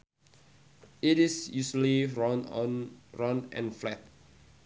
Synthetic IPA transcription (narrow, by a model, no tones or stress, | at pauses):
itisjusəliɔn | ɹɔ̃nɛ̰̃nflɛt̚